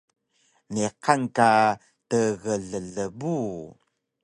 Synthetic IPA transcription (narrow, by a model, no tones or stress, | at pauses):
neqanka | təɣəɮəɮəbu